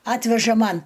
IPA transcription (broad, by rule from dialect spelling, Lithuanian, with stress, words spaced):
ˈɑːtʲʋʲɛʒɐ ˈmɐn